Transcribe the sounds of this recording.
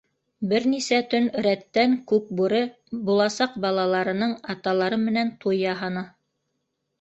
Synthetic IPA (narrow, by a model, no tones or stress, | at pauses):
bɘɾnisæt̪ɵn̆ɾæt̪ːæŋkʉk̚buɾɤ | bulˠɑsɑq̚bɑlˠɑlˠɑɾɤ̆nɤɴɑt̪ɑlˠɑɾɤmɘ̆nænt̪ujjɑɦɑnɤ